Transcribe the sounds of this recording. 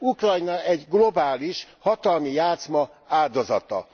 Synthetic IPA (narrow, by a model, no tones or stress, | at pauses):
ukrɒjnɒʔɛɟɡlo̞baːliʃhɒt̪ɒlmijaːt̪smɒ | aːld̪o̞zɒ̰t̪ɒ̰